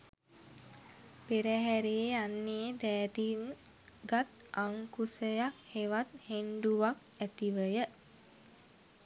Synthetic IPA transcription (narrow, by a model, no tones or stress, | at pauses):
peɾəɦæɾeːanːed̪ɛːt̪iŋ | ɡat̪ | aŋkusəjak̚heʋat̪henɖuʋak | æt̪iʋəjə